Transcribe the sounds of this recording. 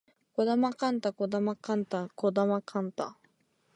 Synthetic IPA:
kod̪amaqant̪akod̪amakant̪akod̪amakʰant̪a

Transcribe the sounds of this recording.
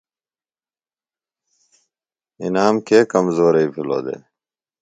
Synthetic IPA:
ḭnaːmkeːkɐmzoːɾeiːpʰilo̰ːd̪ḛː

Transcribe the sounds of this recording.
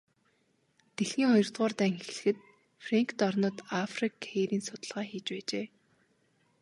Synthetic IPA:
t̪exiːŋχɔjɞ̆r̥t̪ʁɔːrt̪æːŋxexɮɘ̆xɘ̆t̪̚ | freŋkʰt̪ɔrnʊ̆ːt̪afrikʰeːɾiːnsʊt̪ə̆ɮʁaːxiːt͡ɕpæːt͡ɕeː

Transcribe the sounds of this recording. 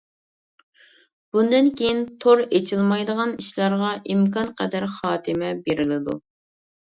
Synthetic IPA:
b̥und̪ɪnkʲʰejint̪ʰoɾet͡ʃʰilˠmɑjd̪əʁɑniʃlˠɑɾʁɑʔimkɑnqɛd̪æɾχɑːt̪ʰɨmɛbeɾɪlɪd̪ṵ

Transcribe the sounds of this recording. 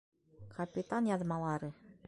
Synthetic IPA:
kʰɐpʲit̪anjɑðmɑlˠɑɾɨ

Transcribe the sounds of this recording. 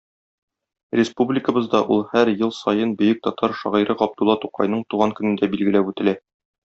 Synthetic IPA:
rʲɪspublʲɪkə̆bɤ̆zd̪ɑʔulˠhæɾjɤlˠsɒjɤnbɵ̆jɵk̚t̪ɒt̪ʰɑɾʃɒʁiɾɤʁɒb̚d̪ulˠːɑt̪uqɑ̰jnɤɴt̪uʁɑŋkɵ̆nɘ̆nd̪æbilɡɘ̆læpʉt̪ɘ̆læ

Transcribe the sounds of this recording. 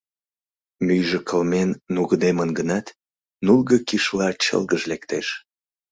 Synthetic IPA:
myjʒəkʰəlmenːuɣəd̪emənɡənɑt̪ | nulɣəkiʃlɑt͡ɕə̰lɣəʒlekt̪eʃ

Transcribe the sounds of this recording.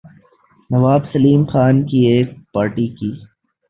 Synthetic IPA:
nɐʋaːbsɐliːmxaːnkieːk̚paːɾʈikiː

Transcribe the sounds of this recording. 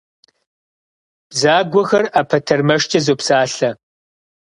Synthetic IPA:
b̥zaːɡʷɔxɐraːpʰɐtʰɐrmɐʂt͡ʃʼɐzoːpsaːɬɐ

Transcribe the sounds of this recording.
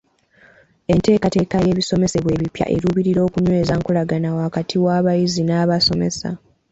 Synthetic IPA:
e̞nte̞ːkate̞ːkaje̞ːβiso̞me̞se̞βwe̞ːβipja̰ʔe̞̰ɾuβiɾiɾo̞ːkuɲwe̞ːzaŋkulaɡanawaːkatʰiwaːβajizinaːβaso̞me̞̰sa̰

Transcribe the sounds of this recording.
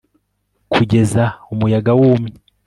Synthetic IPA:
kʰuɟe̞zaumujaɡawuːmɲi

